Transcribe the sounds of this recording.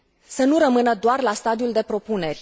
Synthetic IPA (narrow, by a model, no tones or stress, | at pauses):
sənuɾəmɨnəd̪oarlast̪ad̪iuld̪e̞pɾo̞pune̞rʲ